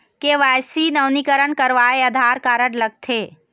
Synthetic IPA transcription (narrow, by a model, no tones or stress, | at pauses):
keʋajsinəwnikəɾəɳkəɾʋaeəd̪ʱaɾkaɾəɽləɡ̚t̪ʰeː